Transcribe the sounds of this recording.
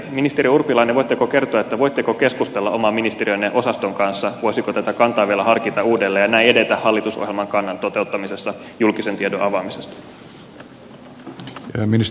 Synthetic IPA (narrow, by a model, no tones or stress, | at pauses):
minist̪e̞ɾiurpːilɑineʋojt̪ːekoke̞rt̪oɑet̪ːæʋo̞jt̪ːekoke̞skust̪elːɑʔo̞mɑminist̪eɾiøjnːeʔo̞sɑst̪o̞ŋkɑnsːɑʋo̞jsikot̪æt̪ækɑnt̪ɑːʋielæɦɑrkit̪ɑuːdelːeːjɑnæiede̞t̪æhhɑlːit̪uso̰ɦjelmɑŋkɑnːɑnt̪o̞t̪e̞ut̪ːɑmise̞sːɑ | julkisent̪iedonʔɑʋɑmisest̪ɑ̥ | minis